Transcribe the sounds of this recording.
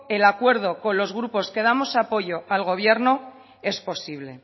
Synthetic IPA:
e̞lakwe̞ɾð̞o̞ko̞nlo̞zɣɾupo̞ske̞ð̞amo̞sapo̞ʝo̞ʔalɣo̞β̞je̞ɾno | e̞spo̞siβle̞̰

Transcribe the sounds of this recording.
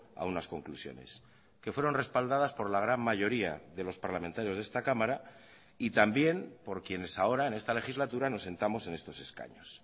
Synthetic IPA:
a̰unasko̞ŋklusjo̞̰ne̞̰s | ke̞fwe̞ɾo̞nre̞spald̪aðaspo̞ɾlaɣ̞ɾanmaʝo̞ɾia̰ðe̞lo̞spaɾlament̪aɾjozðe̞st̪akamaɾa | it̪ambje̞npo̞ɾkje̞ne̞sao̞ɾae̞ne̞st̪ale̞xizlat̪uɾano̞sːe̞nt̪amo̞se̞ne̞st̪o̞seska̰ɲo̞s

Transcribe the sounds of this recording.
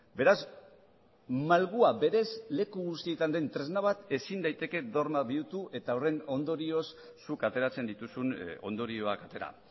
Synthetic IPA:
be̞ɾaz | malɣuabe̞ɾe̞zle̞kuɣust̪ie̞t̪and̪e̞nt̪ɾe̞znaβat̪e̞sind̪ajt̪e̞ke̞ðo̞ɾmaβiut̪uʔe̞t̪aore̞no̞nd̪o̞ɾio̞sː | ukat̪e̞ɾat͡se̞nd̪it̪usuno̞̰nd̪o̞ɾio̞akat̪e̞ɾa̰

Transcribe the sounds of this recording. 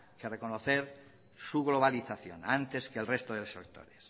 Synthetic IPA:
kerekonoθeɾ | suɣloβ̞aliθaθjo̰nant̪eskelrest̪oðelesokt̪o̰ɾes

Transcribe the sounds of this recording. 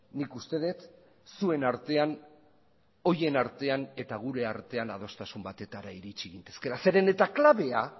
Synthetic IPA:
nikust̪e̞ð̞et̪ | sue̞naɾt̪e̞an | o̞je̞naɾt̪e̞ane̞t̪aɣ̞uɾe̞aɾt̪e̞anað̞o̞st̪asumbat̪e̞t̪aɾaiɾit͡ʃiɣint̪e̞ske̞ɾase̞ɾe̞ne̞t̪aklaβe̞a

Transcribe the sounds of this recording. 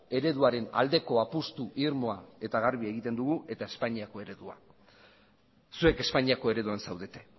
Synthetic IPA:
e̞ɾe̞ðuaɾe̞na̰ld̪e̞ko̞apust̪uʔiɾmo̞ae̞t̪aɣ̞aɾβieɣit̪e̞nd̪uɣ̞uʔe̞t̪ae̞spaɲiako̞e̞ɾe̞ðua̰ | sue̞ke̞spaɲiako̞e̞ɾe̞ðuansawðe̞t̪e̞

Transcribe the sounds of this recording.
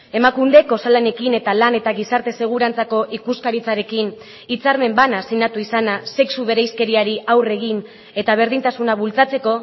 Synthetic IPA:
e̞makund̪e̞ko̞salane̞kine̞t̪alane̞t̪aɣisaɾt̪e̞se̞ɣ̞uɾant͡sako̞ʔikuskaɾit͡saɾe̞kin | it͡saɾme̞mbanasinat̪uisanase̞ksuβe̞ɾejske̞ɾiaɾiʔawre̞ɣ̞in | e̞t̪aβ̞e̞ɾð̞int̪asunaβult͡sat͡se̞ko̞

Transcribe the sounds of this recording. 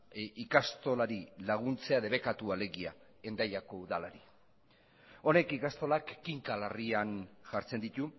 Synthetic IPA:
ikast̪o̞laɾilaɣ̞unt͡se̞aðe̞βe̞kat̪uale̞ɣia | e̞nd̪ajako̞uðalaɾi | o̞ne̞kikast̪o̞lakːiŋkalarianʝaɾt͡se̞nd̪it̪u

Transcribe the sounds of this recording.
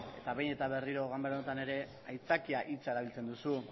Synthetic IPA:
e̞̰t̪aβe̞jne̞t̪aβe̞riɾo̞ɣambeɾonet̪ane̞ɾe̞ | ajt͡sakiaʔit͡saeɾaβ̞ilt͡se̞nd̪usu

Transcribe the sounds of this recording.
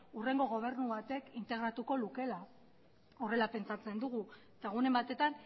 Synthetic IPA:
ure̞ŋɡo̞ɣ̞o̞β̞e̞ɾnuβat̪e̞kint̪e̞ɣ̞ɾat̪uko̞luke̞la | o̞re̞lape̞nt͡sat͡se̞nd̪uɣu | t̪aɣune̞mbat̪e̞t̪an

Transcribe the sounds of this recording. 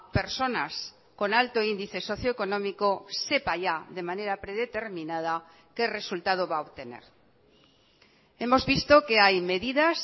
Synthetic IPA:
peɾso̞nas | ko̞nalt̪oind̪iθe̞soθjoekonõmikose̞paʎaðe̞maneɾapɾeðet̪eɾmĩnað̞a | kere̞sult̪að̞oβaoβt̪e̞nḛɾ | e̞mo̞zβist̪okeajme̞ðiðas

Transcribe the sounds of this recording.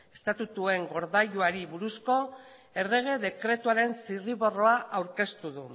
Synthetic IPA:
e̞st̪at̪ut̪ue̞ŋɡo̞ɾðaʎuaɾiβuɾusko̞ | e̞re̞ɣ̞e̞ðe̞kɾe̞t̪uaɾe̞nsiriβo̞ro̞aʔawɾke̞st̪uðu

